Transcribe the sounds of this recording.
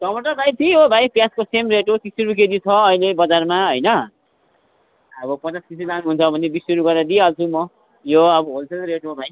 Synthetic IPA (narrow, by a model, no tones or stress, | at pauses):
sʌmʌʈʌrbʱajp̪ʰiɦobʱajpjaskosemreʈok̪isiɾuk̬ed͡zit͡sʰʌːilebʌd͡zarmaɦʌjnʌ | ʌbʌpʌt͡saskisilanɦunt͡sʰʌbʱʌnebisuɾuɡʌrad̪ialt͡sʰumʌ | joʌbʌɦolsʰelɾeʈobʱaj